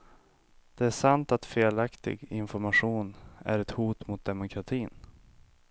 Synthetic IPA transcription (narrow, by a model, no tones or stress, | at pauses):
d̪̥ɛæʂant̪at̪feːlakt̪ɪ̰ɡɪnfɔɾmaɧuːnæ̰ɾɛt̪huːt̪mʊt̪̚d̪ɛmʊkʰɾat̪ʰiːn